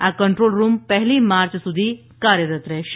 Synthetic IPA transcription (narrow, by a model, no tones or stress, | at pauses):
ãkəɳʈɾoːlɾuːmpɛɦliːmaɾt͡ɕsud̪ʱiː | kaɾjəɾət̪ɾɛ